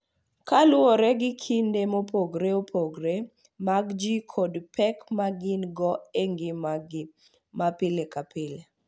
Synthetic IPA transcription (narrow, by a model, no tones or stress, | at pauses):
kalʊɔɾɛɡɪkʰindemopoɡɾeopʰoɡɾe | maɡd͡ʒikʰodpɛkmaɡɪnɡɔeŋɡɪmɡ | mapɪlekapɪle